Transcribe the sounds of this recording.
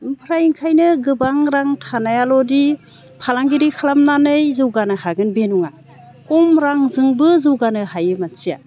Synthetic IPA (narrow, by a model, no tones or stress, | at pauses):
ɯmpʰɾajiŋkʰajnɯɡɯbaŋɾaŋtʰanajalɔdi | pʰalaŋɡiɾikʰalamnanɯjzɯwɡanɯhaɡɯnbenuŋa | kɔmɾaŋzɯŋbɯzɯwɡanɯhajɯmansija̰